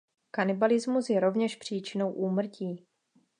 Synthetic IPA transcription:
kanɪbalɪzmusjɛɾo̞vɲɛʃpr̝̥iːt͡ʃɪno̞wʔuːmr̩ciː

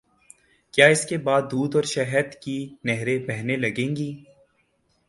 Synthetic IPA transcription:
kjaːɪskebaːd̪ːuːd̪ɔːɾʃɛɦəd̪kinɛɦɾebɛɦnelɐɡẽːŋɡiː

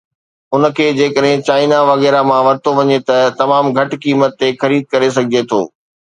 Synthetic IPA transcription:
ʊn̆kʰeːd͡ʑeːkəɗɦɪ̃t͡ɕaːɪnaʋɐɣɛːɾamãʋɐɾt̪oʋɐɲet̪ɐt̪ɐmaːmɡʱɐʈkiːmət̪ːexɐɾiːd̪̚kɐɾes̬ɐɡʱɪd͡ʑet̪ʰo̰ː

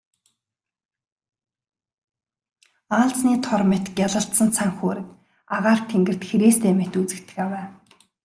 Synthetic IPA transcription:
aːɮt͡sniːt̪ʰɔrmet̪ɡʲjaɮə̆ɬt̪sə̆nt͡sʰaŋxoːɾɘ̆t̪ | aʁaːr̥t̪ʰeŋɡɘ̆r̥t̪xeɾeːst̪eːmet̪ut͡sɘ̆kt̪ɘ̆xawæː

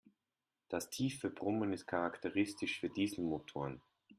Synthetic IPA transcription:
d̥astʰiːfyɐbʁʊmənɪst̚kʰaʁaktʰəʁɪstɪʃfyːɐdiːzl̩motʰoːɐn

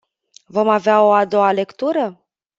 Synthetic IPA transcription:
vo̞maveao̞ad̪o̞ale̞kt̪uɾə

